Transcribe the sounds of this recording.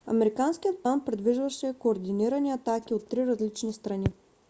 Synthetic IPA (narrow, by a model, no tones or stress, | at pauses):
ɐ̰mɛɾikanskʲijət̪̚plˠanpɾɛd̪viʒvəʃɛkoːɾd̪iniɾəniɐt̪akiot̪ːɾiɾɐzlit͡ʃnist̪ɾɐni